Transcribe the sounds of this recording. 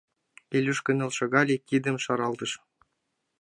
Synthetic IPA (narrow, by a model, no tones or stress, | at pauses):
elʲyʃkɘ̆nɤ̆lʲˠʃɤ̆ɡɑlʲekʲid̪ɘ̆mʃɑɾɑlˠd̪ɤ̆ʃ